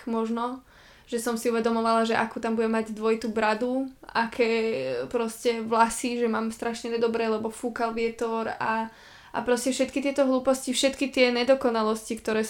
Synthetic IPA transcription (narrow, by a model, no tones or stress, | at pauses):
mɔʒnɔ | ʒ̥ɛsɔmsiuʋɛd̪ɔmɔʋalaʒɛʔakuːt̪ambuɟɛmːaɟd̪ʋɔit̪ubɾad̪uakʰɛːpɾɔscɛʋlasiʒɛmaːmst̪ɾaʃɲɛnɛd̪ɔbɾɛːlɛbɔfuːkalʋɪɛt̪ɔɾa | ʔa̰pɾɔscɛfʃɛt̪kit̪ɪɛt̪ɔɦluːpɔscifʃɛt̪kit̪ɪɛɲɛd̪ɔkɔnalɔscikt̪ɔɾɛː